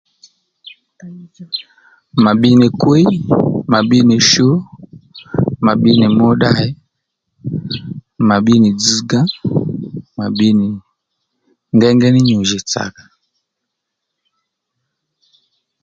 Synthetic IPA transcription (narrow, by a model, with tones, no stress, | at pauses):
ma˨ɓi˦ni˨kwe˦ma˨ɓi˦ni˨ʃo˦ | ma˨ɓi˦ni˨mɔ˦ɗa˦ɛ˦ | ma˨ɓi˦ni˨d͡zi˦ɡã˦ | ma˨ɓi˦ni˨ | ŋɡɛ˦ŋɡɛ˦ni˦ɲu˨ʒi˨t͡sa̰˨kḁ˨